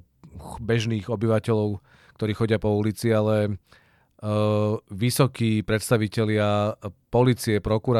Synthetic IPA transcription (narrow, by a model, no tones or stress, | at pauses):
bɛʒniːɣɔbiʋacɛʎɔʊ | k̚t̪ɔɾiːxɔɟɪapɔulit͡sialɛ | ʋisɔkiːpɾɛt̪st̪aʋicɛlɪapɔliːt͡siɛpɾɔkuɾa